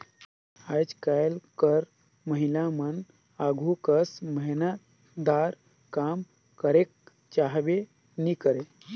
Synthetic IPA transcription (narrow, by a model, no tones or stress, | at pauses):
ad͡ʒkajlkəɾ | məɦilamən | aɡʱukəsməɦina | d̪aɾ | kam | kəɾek̚ | t͡ʃaɦbe | nikəɾe